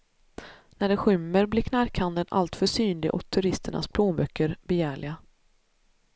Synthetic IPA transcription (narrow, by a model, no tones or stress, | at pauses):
næɖɛɧʏmːəɾblɪːɾkʰnaɾkʰand̪ənʔa̰lt̪fœʂyːnlɪɡʔɔ̰t̪ʰːɵɾɪst̪əɳa̰spʰloːmbœkːəɾbɛjæːɭɪɡa